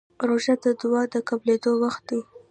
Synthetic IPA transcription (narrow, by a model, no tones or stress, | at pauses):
ɾoʒad̪əd̪ʊwɑd̪əkabled̪owaxt̪̚d̪i